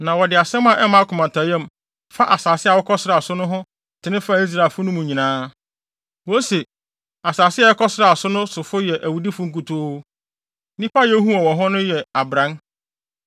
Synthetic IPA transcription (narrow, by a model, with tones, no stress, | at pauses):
nã˨wɔ˨dɪ˨a˨sɛ̃˦mã˨ʔɛ˦mã˨˦kʰʊ˨mã˨tʰa˨jɛ̃˦m | fa˦ʔa˨saː˨sɪ˦a˨wɔ˦kʰɔ˦sɪ˦ɾa˨sʊ˦nʊ̃˦ɦʊ̃˦ | tʰɪ˨nɪ̃˦fa˦˨i˦s̬ɾa˨fʊ˦nʊ̃˦mũ˨ɲĩ˨nãː˦ | wo˦se˨ | a˨saː˨sɪ˦ɛ˦˨ɛ˦kʰɔ˦sɾa˨sʊ˦nʊ̃˦sʊ˨fʊ˦jɛ˨ʔæ˨wu˨di˦fʊ˨ŋ̩˦ku˨tʰo˦ | nĩ˦pa˦jɛ˦ɦũ˦ɔ˨wɔ̃˨ɦɔ̃˦nʊ̃˦jɛ˨a˨bɾã˦n